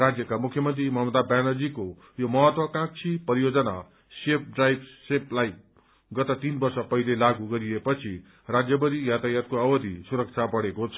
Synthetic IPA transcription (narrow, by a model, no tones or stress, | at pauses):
rad͡zjʌkamukʰjʌmʌnt̪rimʌɦmʌd̪abjanʌd͡ziko | jomʌɦʌt̪wʌkãk̚t͡sʰipʌɾijod͡zʌna | sep̚ɖrajbseplaj | ɡʌt̪ʌt̪inbʌrsʌpʌilelaɡuɡʌɾiepʌt͡sʰi | rad͡zjʌbʌɾijat̪ajat̪̚koʌbʌd̪ʱisuɾʌk̚t͡sʰabʌɽekot͡sʰʌ